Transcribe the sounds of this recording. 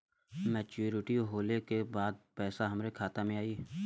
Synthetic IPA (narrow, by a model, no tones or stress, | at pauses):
mɛːt͡ʃuːɾɪʈiɦoːlekebaːd̪̚pɛːsaɦɐmɾekʰaːt̪amẽaːiː